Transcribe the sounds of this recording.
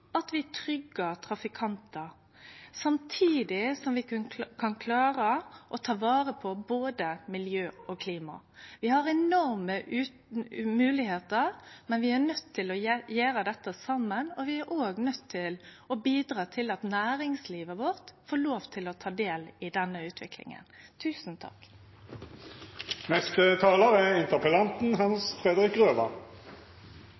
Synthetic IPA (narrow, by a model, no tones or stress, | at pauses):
ɑt̪ʋɪt̪ʰɾʏɡːət̪ʰɾɑfɪkʰɑnt̪ə | sɑmt̪ʰiːd̪ɪsɔmʋɪkʰɑnkʰlɑːɾəʔɔt̪ʰɑːʋɑːɾəpʰɔboːd̪əmɪljøːɔkʰliːmɑ̰ | ʋɪhɑɾɛnɔɾmə | mʉːlɪheːt̪əɾmɛnʋɪæɾnœt̪ʰːɪlɔjæːɾəd̪ɛt̪ːəsɑmːənɔʋɪæɾʔoːɡnœt̪ʰːɪl | ɔbiːd̪ɾɑːt̪ʰɪlɑt̪næːɾɪŋsliːʋəʋɔʁt̪foːloːʋt̪ʰɪlɔt̪ʰɑːd̪eːlɪd̪ɛnːəʉːt̪ʰʋɪklɪ̰ŋə̰nt̪ʰʉːsn̩t̪ʰɑ̰k | nɛst̪ət̪ʰɑːləʁɛɪnt̪əʁpəlɑnt̪n̩ɦɑnsfʁɛd̪əʁɪkʁøːʋɑ̰